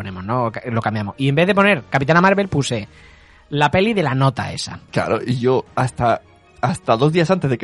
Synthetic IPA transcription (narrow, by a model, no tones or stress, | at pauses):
onẽmoznoklo̞kambjamoie̞mbe̞ðe̞po̞ne̞ɾkapit̪anamaɾβe̞lpuse̞ | lape̞liðe̞lano̞t̪a̰ḛsa̰kla̰ɾo̰ʔiʝo̞ast̪a | ast̪aðo̞zðias̬ant̪e̞zðek